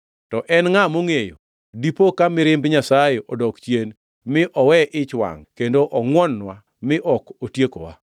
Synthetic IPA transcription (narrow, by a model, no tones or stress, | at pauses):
tɔʔɛnŋamoŋejo̰ | dipokamɪɾɪmbɲasajeʔɔdɔkt͡ʃjen | mɪʔɔwɛʔɪt͡ʃwa̰ŋkendoʔɔŋwɔnːwa | mɪʔɔkotjeko̰wa̰